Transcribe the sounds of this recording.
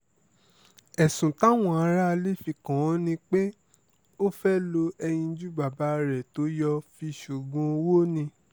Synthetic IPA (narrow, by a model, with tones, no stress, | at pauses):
ɛ˨sũ˨ta˦w̃ɔ̃˨a˨˧˦ɾa˦˧le˦fi˧kã˨˦nĩ˧k͡pe˦ | o˦fɛ˦lo˧ɛ˧j̃ĩ˧d͡ʒu˦ba˨ba˨˦˧ɾɛ˨to˨˦jɔ˧fi˧ʃu˨ɡũ˧o˧wo˦nĩ˧